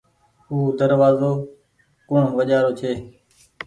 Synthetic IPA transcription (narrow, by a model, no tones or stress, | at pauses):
ɦuːd̪əɾʋaːzoː | kʊɳ̤ʋəʄaːɾoːt͡ʃʰeː